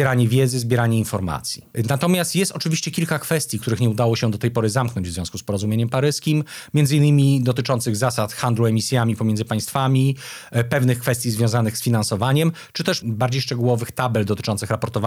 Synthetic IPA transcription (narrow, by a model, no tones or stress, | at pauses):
ɛɾaɲɛvʲjɛd̪zɘzbʲjɛɾaɲɛinfɔɾma̰t̪sʲjinat̪ɔmʲjast̪jɛst̪ɔt͡ʂɘvʲiɕt͡ɕɛkʲilkakfɛst̪ʲjikt̪uɾɘxɲɛud̪awɔɕɛ̃d̪ɔt̪ɛjpɔɾɘzamknɔɲd͡ʑvzvʲɔ̃w̃skuspɔɾɔzumjeɲɛmpaɾɘskʲimmʲɛndzɨinːɘmʲid̪ɔt̪ɘt͡ʂɔnt̪sɘɣzasat̪xand̪luɛmʲisʲjamʲipɔmʲɛnd̪zɘpaj̃st̪famʲipɛvnɘxkfɛst̪ʲjizvʲjɔ̃w̃zanɘxsfʲinansɔvaɲɛm | t͡ʂɘt̪ɛʂbaɾd͡ʑejʂt͡ʂɛɡuwɔvɘxt̪abɛld̪ɔt̪ɘ̥t͡ʂɔnt̪sɘxɾapɔɾt̪ɔva